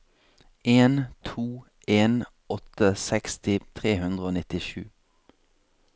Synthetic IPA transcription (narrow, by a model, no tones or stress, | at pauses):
eːnt̪ʰuː | ʔeːn | ɔt̪əsɛkst̪ɪt̪ʰʁeːhʉnd̪ʁəoːnɪt̪ɪʃʉ̰ː